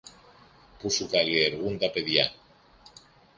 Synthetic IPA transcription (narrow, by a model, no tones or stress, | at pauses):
pusukaleːɾɣund̪apeðjan